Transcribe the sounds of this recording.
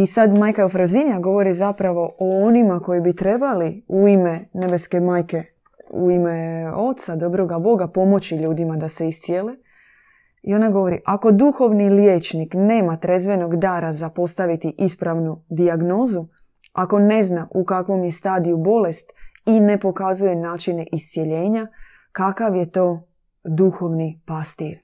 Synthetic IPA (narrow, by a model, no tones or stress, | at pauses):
isad̪maːjkaofɾazinjaɡo̞ʋo̞ɾizapɾaʋo̞ʔoonimako̞jibit̪ɾe̞baliuime̞ne̞beske̞maːjke̞ | ṵimeo̞t̪sad̪o̞bɾo̞ɡabo̞ɡapo̞mo̞t͡ɕiʎuːd̪imad̪ase̞ist̪sjele | io̞naɡo̞ʋo̞ɾḭʔako̞d̪uxo̞ʋniljeːt͡ʃnikne̞ːmat̪ɾe̞zʋe̞no̞ɡd̪aːɾazapo̞st̪aʋit̪iʔispɾaʋnud̪iaɡno̞ːzu | ako̞ne̞znaʔukakʋo̞mje̞st̪aːd̪ijubo̞le̞st̪ine̞po̞kazuje̞naːt͡ʃine̞ʔist̪sje̞ʎe̞ːɲa | kakaʋje̞t̪o̞ː | d̪uxo̞ʋnipast̪iɾ